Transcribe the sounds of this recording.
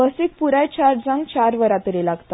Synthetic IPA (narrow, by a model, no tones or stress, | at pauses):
əsik̚puɾajt͡ɕaɾd͡zãŋɡt͡ɕaɾʋəɾat̪ɾelaɡt̪a